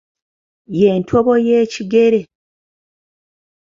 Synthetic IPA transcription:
jeːntʰo̞βo̞jeːciɡe̞ɾe̞

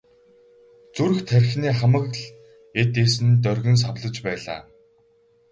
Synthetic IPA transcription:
t͡suɾ̆xt̪ʰærʲxniːχamə̆kɮ | et̪eːsɘ̆nt̪œrʲɣʲɵ̆ns̬awɮə̆t͡ɕpæːɮa̰ː

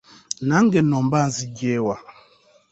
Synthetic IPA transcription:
naŋ̩ɡenɔmbazid͡ʒewa

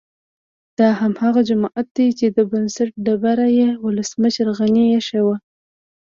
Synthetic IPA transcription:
d̪̥ɑhamhaɣad͡ʒamɑʔat̪̚d̪ajt͡ʃed̪əbansaʈ̚ɖabaɾajewʊləsməʃəɾɣanijeʃawa

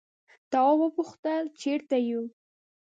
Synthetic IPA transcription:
t̪ɑwwəpʊxt̪əlt͡ʃeɾt̪aju

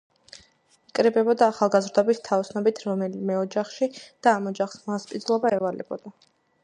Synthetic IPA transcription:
ikʼɾɛbɛbɔd̪aːχalˠɡazɾd̪ɔbist̪ʰːaɔsnɔbit̪ʰɾɔmɛlimɛɔd͡ʒaχʃid̪̥aːmɔd͡ʒaχsmaspʼid̪zlˠɔbaɛvalɛ̰bɔd̪̥a

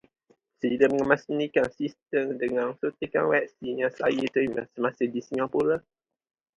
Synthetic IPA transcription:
sədidəməŋəmasnikansist̪əmdəŋansot̪ika̰nwɛp̚siɲãsla̰jət̪əimə̰səmasədisɲãpula

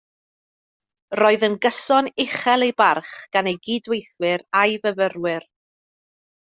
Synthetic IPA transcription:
rɔːɨðənɡəsɔnɪχɛlˠejbarχɡ̥anejɡiːdwejθwɪɾajvəvərwɪr

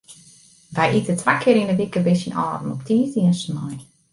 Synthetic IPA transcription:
ʋɛjʔitətʰʋakʰɪəɾinəʋikəbɪsinɔ̰ːrn̩ɔptʰiːziənsnɔj

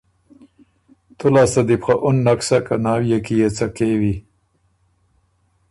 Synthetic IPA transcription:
t̪ʊlɑːsad̪ipxaʔʊnːaksakanɑːwjakijet͡sakewi

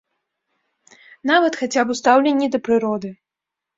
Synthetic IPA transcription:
navɐt̪xat͡sʲabust̪awlʲenʲːid̪ɐpɾɨɾɔd̪ɨ

